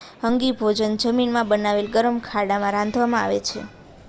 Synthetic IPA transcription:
ɦəŋɡibʱod͡ʒənd͡ʒəminmãbənaʋelɡəɾəmkʰaɽamãɾãnd̪ʱʋamãa̰ʋḛt͡ʃʰḛ

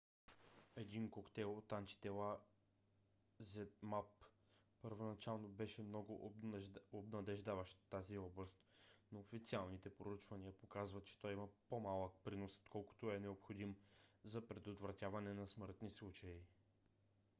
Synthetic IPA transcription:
ɛd̪inkokt̪ɛlˠot̪ant̪i̥t̪ɛla | zɛt̪map | pəɾvonɐt͡ʃalˠnobɛʃɛmnɔɡʊ | obnɐd̪ɛʒd̪avɐʃt̪t̪ːaziɔblˠɐst̪noːfit̪sialˠnit̪ɛpɾout͡ʃvɐniəpokazvɐt̪t͡ʃɛ̥t̪ɔjiməpomalˠək̚pɾinoso̥t̪kɔlˠkʊ̥t̪oɛnɛopxod̪imzɐpɾɛd̪ot̪vɾɐt̪ʲavɐnɛnɐsməɾt̪nislˠut͡ʃɐi

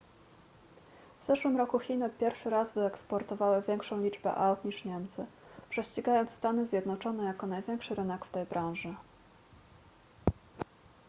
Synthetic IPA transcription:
vz̥ɛʂwɘmɾɔkuxʲinɘpʲjɛɾfʂɘɾazvɘɛkspɔɾt̪ɔvawɘvʲjɛŋkʂɔ̃w̃lʲid͡ʐbɛ̰ʔawt̪ɲiʂɲɛmt̪sɘpʂɛɕt͡ɕiɡajɔnt̪st̪anɘzʲjɛd̪nɔt͡ʂɔnɛjakɔnajvʲjɛŋkʂɘɾɘnɛkft̪ɛjbɾãw̃ʐɘ

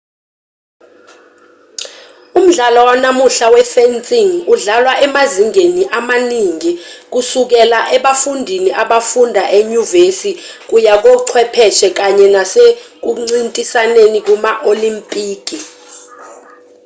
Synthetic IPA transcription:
um̩ɮalɔwanamuɬawɛfɛnt͡sʼiŋuɮalwaʔɛmaziŋeniʔamaniŋik̬usuk̬ɛlaʔɛɓafundʱiniʔaɓafundʱaʔeɲuvesik̬ujak̬ɔǀʰwɛpʰɛʃɛk̬aɲɛnasek̬uŋ͡ǀintʼisanenik̬umaʔolimpʼiːk̬i

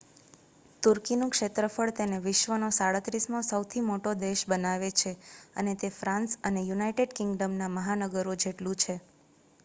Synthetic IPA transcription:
t̪uɾkinũkʃet̪ɾəfəɭt̪eneʋɪʃʋənosaɭət̪ɾismõsəwt̪ʰimoʈod̪eʃbənaʋet͡ʃʰeə̰net̪efɾãnsənejunaiʈeɖkɪ̃ŋɡɖəmnaməɦanəɡəɾod͡ʒeʈlũt͡ʃʰe

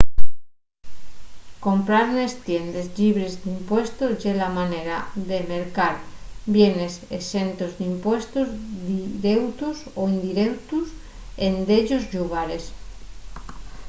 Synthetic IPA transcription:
ko̞mpɾaɾnest̪jend̪ezʎiβɾezd̪impwest̪oʝelamaneɾaðemeɾkaɾbje̞ne̞sḛsent̪ozd̪impwest̪ozðiɾewt̪usoind̪iɾewt̪us | end̪eʎozʎuɣ̞aɾes

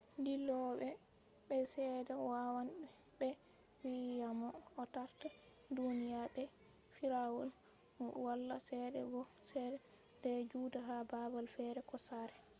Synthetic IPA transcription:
ndilɔɓɛ | ɓɛsɛdɛwawanɓɛɓɛ | wijamɔɔtaɾta | dunijaɓɛ | fiɾawɔ̰l | walːasɛdɛ̰bɔsɛdɛdɛd͡ʒudaɦababalfɛɾɛkɔsaɾɛ

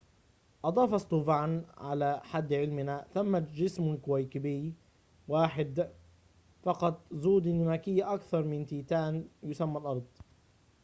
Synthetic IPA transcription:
ʔɑd̪ˤɑːfɑst̪uːvaːnʕalaːħad̪ːʕɪlmɪnaθamːad͡ʒɪsmkʊwajkɪbɪj | waːħɪd̪ | fɑqɑt̪ˤzuːd̪ɪnːʊnaːkɪjːaʔakθɑɾˤmɪnt̪iːt̪aːnjʊsamːalʔɑɾˤd̪ˤ

